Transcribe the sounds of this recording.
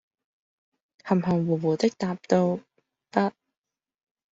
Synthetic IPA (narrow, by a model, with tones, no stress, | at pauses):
hɐ˨˩mhɐ˨˩ŋwuː˨˩wuː˨˩t̪ɪ˥k̚t̪aː˨˧p̚t̪o˧w | pɐ˥t̚